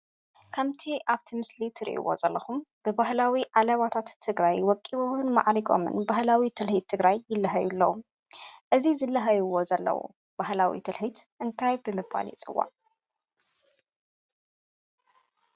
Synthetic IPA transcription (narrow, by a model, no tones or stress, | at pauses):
kʰamt̪ʰiʔaβt̪ʰimɨslit̪ʰɨɾḭʔḭwo̰zɐlːɐxumb̥ɨbahlawiʕalɐβat̪ʰat̪ʰːɨɡɾajwɔkʼːiβuwɨnma̰ʕɾikʼo̞̰mɨ̰nbahlawit̪ʰɨlhit̪ʰːɨɡɾajːɪlːɐɦɐjulːɐwu | ʔɨzizɨlːɐɦɐjɨwo̞zɐlːɐ̰wṵ | b̥ahlawḭt̪ʰɨlħit̪ʔɨnt̪ʰajbɨmɨba̰lḭt͡sʼɨwːa̰ʕ